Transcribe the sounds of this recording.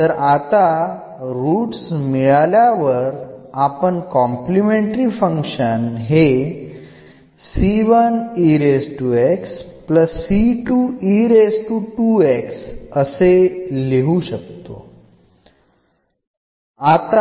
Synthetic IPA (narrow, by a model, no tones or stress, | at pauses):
t̪əɾat̪a | ɾuːʈsmiɭaljaʋəɾapəɳkɔ̃mplimeɳʈɾifə̃ŋkʃənɦe | siʋəniɾesʈuekspləsːiʈuiɾesʈuʈueksəseleɦuɕək̚t̪o̰ | at̪a